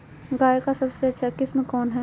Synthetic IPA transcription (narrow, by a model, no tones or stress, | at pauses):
ɡaːekasɐbseɐtːʃʰakɪsmẽkɔːnɦɛ